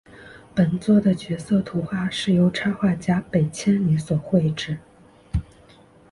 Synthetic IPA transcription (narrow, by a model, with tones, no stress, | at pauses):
pə˨˩nt͡swɔ˥˩d̪ə˩t͡ɕɥɛ˧˥sɤ˥˩t̪ʰu˧˥xwa˥˧ʂɻ̩˥˩jo˧˥ʊʈ͡ʂʰa˥xwa˥˩t͡ɕja˥pe˨˩ɪt͡ɕʰjɛ˥nli˧˥swɔ˨˩xwe˥˧ɪʈ͡ʂɻ̩˥˩